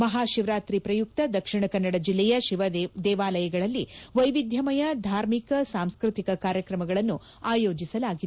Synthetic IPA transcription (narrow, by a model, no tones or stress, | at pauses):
mɐɦaːʃiʋɾaːt̪ɾipɾɐjuk̚t̪ɐd̪ɐkʂiɳɐkɐnːɐɽɐd͡ʒilːɛjɐʃiʋɐd̪ɛːʋaːlɐjɐɡɐɭɐlːiʋɐjʋid̪ʱjɐmɐjɐd̪ʱaːɾmikɐsaːmskɾut̪ikɐkaːɾjɐkɾɐmɐɡɐɭɐnːu | aːjo̞ːd͡ʒisɐlaːɡid̪e